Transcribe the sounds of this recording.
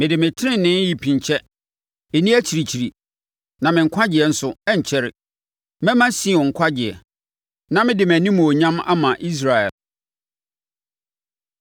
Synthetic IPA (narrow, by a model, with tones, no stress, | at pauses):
mɪ̃˨dɪ˨mɪ̃˨tʰɪ˦ɪ̃˦nɪ̃˦n˦ji˨pʰĩ˨ɲt͡ɕʰɛ˦ | e˨nĩ˦æ˦t͡ɕʰi˨ɾi˨t͡ɕʰi˨ɾi˨ | nã˨mɪ̃˨ŋ̩˨kʷʰa˦d͡ʑɪ˨ɛ˨n̩˦sʊ˨ɛ˦ɲ˨t͡ɕʰɛ˦ɾɪ˨ | mɛ̃˦mã˦sĩ˦˨ɔ̃˨ŋ̩˨kʷʰa˦d͡ʑɪ˨ɛ̰˨ | nã˦mɪ̃˦dɪ˨m˨æ˨nĩ˦mũ˨o˨ɲã˦ma̰˦mã˨ʔi˦s̬ɾa˨ɛ̰˨l